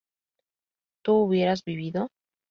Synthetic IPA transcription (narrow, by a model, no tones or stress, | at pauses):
t̪uuβje̞ɾazβiβ̞iðo̞